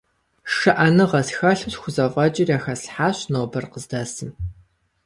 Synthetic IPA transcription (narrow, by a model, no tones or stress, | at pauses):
ʂɐʔɐnɨʁɐsxɐɬɨɕxʷʊzɐʁʷʼɐt͡ʃʼɪrjaːxɐsħaːɕnoːbɐrqəzdɐːsɨm